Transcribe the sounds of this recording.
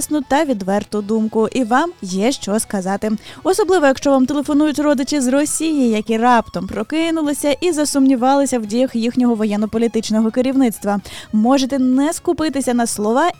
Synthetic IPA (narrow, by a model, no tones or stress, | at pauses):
snʊt̪ɐʋʲid̪ʋɛrt̪ʊd̪umkʊʔiʋɑmjɛʃt͡ʃɔskɐzɑt̪ɪɔsɔblˠɪʋɔjɐkʃt͡ʃɔʋɑmt̪elˠefɔnujʊtʲrɔd̪ɪt͡ʃɪzrɔsʲijijɐkʲirɑpt̪ɔmpɾɔkɪnʊlˠɪsʲɐʔizɐsʊmnʲiʋɑlˠɪsʲɐwdʲijɐxjixnʲɔɦɔʋɔjɛnːɔpɔlʲit̪ɪt͡ʃnɔɦɔkɪɾʲiwnɪt̪st̪ʋɐmɔʒet̪ɛnɛskʊpɪt̪ɪsʲɐnɐslˠɔʋɑ